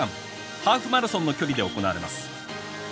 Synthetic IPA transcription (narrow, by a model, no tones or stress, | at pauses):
ãm | haːɸɯ̟maɾɯ̟sõnːo̞kʲo̞ɾʲid̪e̞o̞ko̞naːɾe̞ma̰sɨ̥